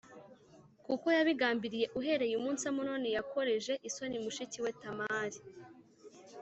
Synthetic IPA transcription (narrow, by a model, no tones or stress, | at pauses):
kuko̞jaβiɡaːmbiɾije̞ʔuɦe̞ɾe̞jumuːnsamunonijakoɾe̞ʒe̞ʔiso̞nimuʃiciwe̞tamaːɾi